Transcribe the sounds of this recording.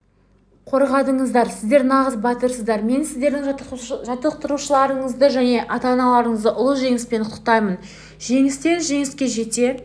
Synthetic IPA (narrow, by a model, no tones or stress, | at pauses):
qʰo̞ɾʁɑd̪əɴəzd̪ɑɾsɪzd̪e̞ɾnɑʁəzbɑt̪əɾsəzd̪ɑɾme̞nsɪzd̪e̞ɾd̪ɪŋʒɑt̪əq̚t̪əɾuʃəlˠɑɾəɴəzd̪əʒæne̞ʔɑt̪ɑnɑlˠɑɾəɴəzd̪əʔʊlˠəʒe̞ŋɪspe̞nʰt̪ə̥q̚t̪ɑjmən | ʒe̞ŋɪst̪e̞nʒe̞ŋɪskʲe̞ʒe̞t̪e̞